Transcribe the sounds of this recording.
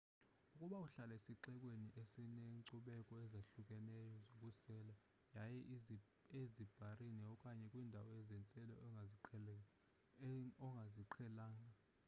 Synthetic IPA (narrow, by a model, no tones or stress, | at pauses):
ukʼuɓauɬalesiǀɛkʼweniʔesineǀuɓɛkʼɔɛzaɬuk̬ʼɛnɛjɔzokʼusɛːla | jajɛʔ | ezib̥ʱarinɛɔkʼaɲɛkʼwiːndʱawɔɛzɛnt͡sʼɛlɛ | ɔŋɡʱaziǃʰɛlaːŋa